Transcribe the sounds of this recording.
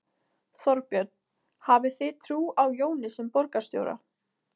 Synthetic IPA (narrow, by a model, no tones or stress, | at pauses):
θɔɾpjɛɾt̪n̥ | haːvɪθɪt̪ʰɾuːawjoːwnɪsɛmpɔɾkast̪jo̰wɾa̰